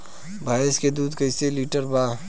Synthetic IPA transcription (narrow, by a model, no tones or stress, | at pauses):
bʱaːesked̪uːd̪kəɪseliːʈəɾbaː